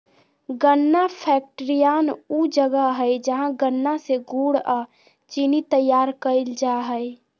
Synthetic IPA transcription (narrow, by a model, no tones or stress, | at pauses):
ɡənːapʰɛk̚ʈɾijanud͡ʒəɡəɦəjd͡ʒəɦãɡənːaseɡuɽa | t͡ʃinit̪əjaːɾkəɪld͡ʒaɦəj